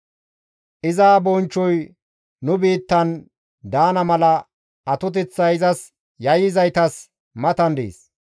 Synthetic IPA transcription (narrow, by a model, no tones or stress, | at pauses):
ʔɪzaːbɔnt͡ʃːɔj | nːʊbiːt̪ːɐn | d̪aːnɐmɐlɐ | ɐt̪ʊt̪̬ɛt͡sːɐjɪzɐs | jɐjɪzɐjt̪ɐs | mɐt̪ɐnd̪ḛːs